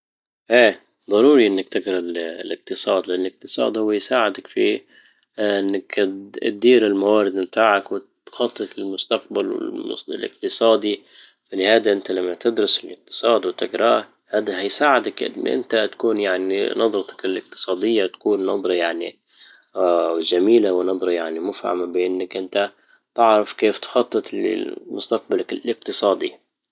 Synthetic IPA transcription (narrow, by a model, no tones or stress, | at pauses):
ʔeː | d̪ˤɑɾˤuːɾiʔɪnːak̚t̪ɪɡɾˤɑllɪq̚t̪ɨsˤɑːd̪lʔanːlɪq̚t̪ɨ̥sˤɑ̰ːd̪hʊwːajsaːʕɪd̪akfi | ʔɪnːak̚d̪iːɾɪlmawaːɾɪd̪mt̪aːʕakwɪt̪xɑt̪ˤːɨt̪ɪlmʊst̪aq̚balwɪ̰lmʊ̰sɪlɪ̰q̚t̪ɨsˤɑːd̪i | fɪnːhaːd̪aʔɪnt̪alamːat̪ɪd̪ɾʊsɪlɪq̚t̪ɨ̥sˤɑːd̪wɪt̪ɪɡɾˤɑ | haːd̪aɦajsaːʕɪd̪akʔɪ̰nːʔɪ̰nt̪at̪ḁkuːnjaʕnḭnɑd̪ˤɾˤɑt̪ɑ̥kɪlɪq̚t̪ɨ̥sˤɑːd̪ɪjːat̪ḁkuːnːɑd̪ˤɾˤɑjaʕnḭ | ʒamiːlawnɑd̪ˤɾˤɑjaʕnimʊfha̰mabʔɪnːakʔɪnt̪a | t̪ɪʕɾafkeːft̪xɑt̪ˤːɨt̪ɪl̰mʊst̪aq̚balakɪlɪq̚t̪ɨsˤɑːd̪ḭ